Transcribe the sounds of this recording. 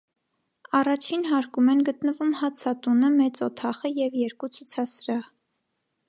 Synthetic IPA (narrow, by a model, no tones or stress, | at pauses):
ɑrɑt͡ʃʰinɦɑɾkumɛnɡət̪nəvumhɑt͡sʰɑt̪unəmɛt͡sɔt̪ʰɑχəjɛvjɛɾkut͡sʰut͡sʰɑsɾɑ